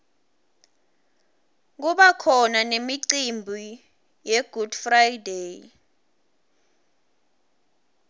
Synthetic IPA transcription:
k̬uɓakʰɔnanemiǀimbʱu | jeɡ̥ʱud̥frajdej

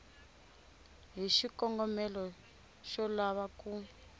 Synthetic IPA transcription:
ɦiʃikɔŋɡɔmɛlɔ | ʃɔlaβakuː

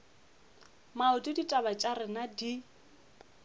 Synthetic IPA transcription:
maʊtʼiditʼabat͡ʃʼarɪnadi

